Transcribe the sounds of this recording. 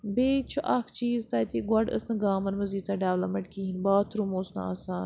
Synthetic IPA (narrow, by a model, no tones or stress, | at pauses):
beːt͡ʃʰuʔɐkʰt͡ʃiːzt̪ɐːt̪iːɡwɐɖə̰snɐɡaːmɐnmɐziːt͡saːɖaːʋlɐmɐɳʈkiːɦinbaːt̪ʰɾumoːsna̰a̰ːsaːn